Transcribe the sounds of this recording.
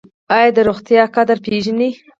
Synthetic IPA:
ɑjɑd̪əɾoxt̪jɑkad̪əɾpeʒəni

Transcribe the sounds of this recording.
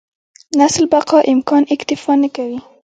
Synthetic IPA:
naslbaqɑʔɪmkɑnɪkt̪ɪfɑnakawi

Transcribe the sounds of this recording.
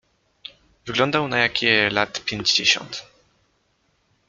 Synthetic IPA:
vɘɡlɔnd̪awnajakʲɛlat̪pʲjeɲd͡ʑd͡ʑeɕɔ̰nt̪

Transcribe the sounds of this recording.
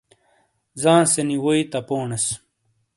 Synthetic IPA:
zãːseniwoit̪ɐpoːɳes

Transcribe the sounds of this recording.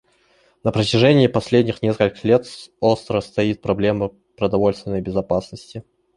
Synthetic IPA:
nəpɾətʲɪʐɛnʲɪːpɐsʲlʲedʲnʲɪxnʲe̞skəlʲkəxlʲet̪ost̪ɾəst̪ɐit̪̚pɾɐblʲe̞mə | pɾəd̪ɐvo̞lʲst̪vʲɪnːəjbʲɪzɐpasnəsʲtʲɪ

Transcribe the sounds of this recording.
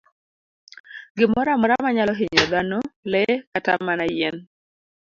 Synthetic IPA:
ɡɪmɔɾamɔɾamaɲalɔɦiɲɔd̪anolɛkatamːanajɛn

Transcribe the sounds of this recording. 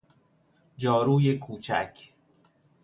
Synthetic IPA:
d͡ʒɒːɾuːje̞kʰuːt͡ʃʰæ̰kʰ

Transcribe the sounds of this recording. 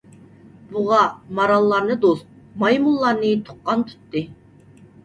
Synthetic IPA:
buʁɑmɑɾɑlˠːɑɾnɨd̪ost̪̚ | mɑjmulˠːɑɾnɨt̪ʰo̥qːɑnt̪ʰy̥t̪ːɪ

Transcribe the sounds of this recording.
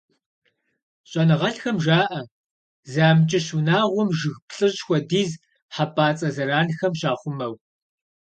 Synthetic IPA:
ɕʼɐnɨʁɐɬxɐmʒaːʔɐ | zaːmt͡ʃʼɪɕunaːʁʷɔmʒɨɣpɬʼɨɕxʷɔdiːz | ħapʰʼaːt͡sʼɐzɐɾaːnxɐmɕaːχʷʊmɐw

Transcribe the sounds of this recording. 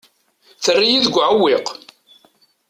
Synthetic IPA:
θərːijiðəɡʷːʕəwːɪq

